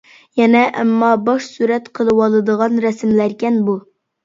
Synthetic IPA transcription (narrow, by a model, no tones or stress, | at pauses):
jɛnɛʔɛ̰mːɑbɑʃsuɾɛt̪qʰəlˠɨwɑlˠɨd̪əʁɑnɾɛsmlæɾkʲɛnbu